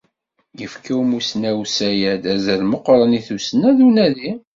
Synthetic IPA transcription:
jəfkiwmusnæwsæjæd̪æzælməqɾˤəniθusnæðunæði

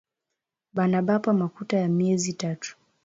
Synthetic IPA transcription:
ɓanaɓapamakutajamiɛzitatu̥

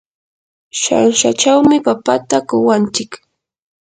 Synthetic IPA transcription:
ʃa̰nʃa̰t͡ʃawmɪpapat̪akʊwant͡ʃɪk

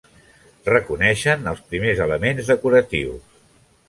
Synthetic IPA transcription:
rəkunɛʃənəlˠspɾimezələmenzðəkuɾət̪iws

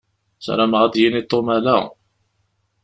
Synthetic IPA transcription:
sɾaməʁæd̪jinit̪ˤːomælæ̰

